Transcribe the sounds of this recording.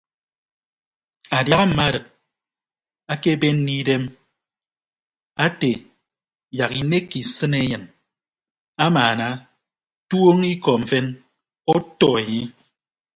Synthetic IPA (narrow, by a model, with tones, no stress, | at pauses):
a˨dja˨ɣa˦m̩˨ma˦ɾɨ˨k̚ | a˦ke˦be˦n̩˦ni˦de˦m | a˦te˨ | ja˨ki˨ne˦kːi˨sɨ˦ne˦ɲɨ˨n | a˦maː˨na˦ | tu˦o˦ŋi˦kɔ˨mɱ̩˨fe˦n | o˦tɔ˨e˨ɲi˦